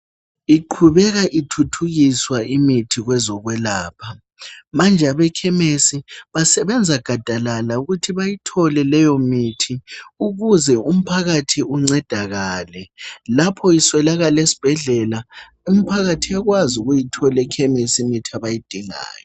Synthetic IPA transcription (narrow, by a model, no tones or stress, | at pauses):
iǃʰuβɛɣaʔitʰutʰuɣiswaimitʰiɣwɛzɔɣwɛlaːpʰa | mand͡ʒʱaβɛkʰɛmesiβasɛβɛnd͡zʱaɡ̥ʱad̥ʱalalauɣutʰiβajitʰɔlɛlɛjomitʰiuɣuzɛum̩pʰaɣatʰiuŋ͡ǀɛd̥ʱaɣaːlɛlapʰɔiswɛlaɣalesi̥b̥ʱɛɮɛla | umipʰaɣatʰiaɣwazuɣujitʰɔlɛkʰɛmesimitʰiaβajid̥ʱiŋa̰ːjɔ